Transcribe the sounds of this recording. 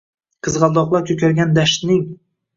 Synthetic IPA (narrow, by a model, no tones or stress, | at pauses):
qʰɨzʁɑlˠd̪ɒqlˠɑkʲʰɵkʲʰaɾɡʲand̪aʃt̪nɪŋ